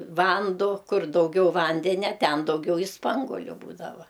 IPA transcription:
ˈʋɐndoː ˈkʊr dɐʊˈɡʲɛʊ ˈʋɐnʲdʲɛnʲɛ ˈtʲɛn dɐʊˈɡʲɛʊ ɪ ˈspɐŋɡoːlʲʊ ˈbuːdɐʋɐ

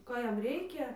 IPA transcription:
ˈkoː ˈjɛm ˈrʲɛɪkʲɛ

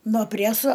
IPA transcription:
noː ˈpʲrʲæsoː

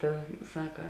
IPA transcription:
ˈtɐ ˈsɑːkɐ

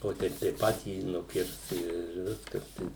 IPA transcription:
oː ˈtʲɛɪp tɐɪ ˈpɑːtʲiː nʊˈkʲɪrs ɪr ˈʋʲɪskɐs tɐɪ

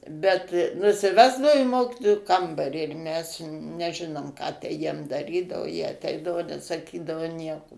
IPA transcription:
bʲɛt nʊsʲɪˈʋʲæːzdɐoː iː ˈmoːkʲɪtoːjuː ˈkɐmbɐrʲiː ɪr mʲɛs nʲɛˈʒʲɪnoːm kɑː tʲæː ˈjiɛm dɐˈrʲiːdɐʋoː jiɛ ɐˈtʲɛɪdɐʋoː nʲɛsɐˈkʲiːdɐʋoː ˈnʲiɛkoː

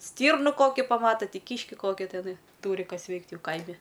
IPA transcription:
ˈsʲtʲiːrnʊ ˈkoːkʲɪ ˈpɑːmɐtɐ ˈtʲiː ˈkʲiːʃʲkʲɪ ˈkoːkʲɪ tʲɛˈnɐɪ ˈtuːrʲɪ ˈkɐs ˈʋʲɛɪkt ˈjɛʊ ˈkɐɪmʲɪ

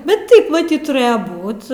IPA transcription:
ˈbʲɛt ˈtɐɪp mɐˈtʲiːt tʊˈrɘjɛ ˈbuːt

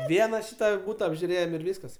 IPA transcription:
ˈʋʲiɛnɐ ˈʃʲiːtɐ ˈbuːtɐ ɐbʲʒʲʊˈrʲeːjɛm ɪr ˈʋʲiːskɐs

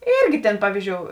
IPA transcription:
ˈiːrʲɡʲɪ tʲeːn ˈpɑːʋʲiːzʲˌd͡ʒʲoːʊ

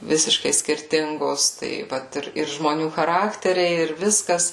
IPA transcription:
ˈʋʲɪsʲɪʃkɐɪ sʲkʲɪrʲˈtʲɪŋɡoːs ˈtɐɪ ˈʋɐt ɪr ɪr ʒmoːˈnʲuː xɐˈrɑːktʲɛrʲɛɪ ɪr ˈʋʲɪskɐs

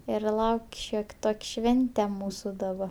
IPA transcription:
ɪr ˈlˠɐʊkʲ ˈʃʲoːkʲ ˈtoːkʲ ˈʃʲʋʲɛnʲtʲɛ ˈmuːsʊ dɐˈbɐ

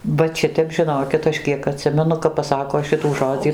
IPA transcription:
ˈʋɐt ˈʃʲɪtʲɛp ʒʲɪˈnoːkʲɪt ˈɐʃ ˈkʲiɛk ɐˈtʲsʲɪmʲɛnʊ kɐp pɐˈsɑːkoː ˈʃʲɪtuː ˈʒoːd͡zʲiː

